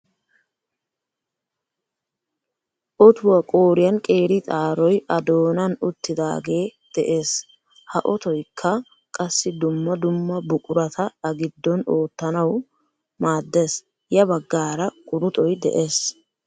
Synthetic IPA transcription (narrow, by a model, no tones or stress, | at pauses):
ʔɔt̪ʊwɐkʼoːɾɪjɐnkʼe̞ːɾɪt̪ʼaːɾɔjʔɐd̪o̞ːnɐnʊt̪ːɪd̪a̰ːɡe̞ːd̪̥ɛʔe̞ːs | hɐʔɔt̪ɔjkʰːɐ | kʼɐsːɪd̪ʊmːɐd̪ʊmːɐbʊkʼʊɾɐt̪ʰɐɐɡɪd̪ːɔno̞ːt̪ːɐnɐw | maːd̪ːes | jɐbɐɡːaːɾɐkʼʊɾʊt̪ʼɔjd̪ɛ̰ʔe̞ːs